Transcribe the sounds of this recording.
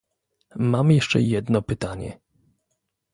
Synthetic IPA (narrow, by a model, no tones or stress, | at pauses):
mamjɛʂt͡ʂɛ̰jɛd̪nɔpɘt̪aɲɛ̰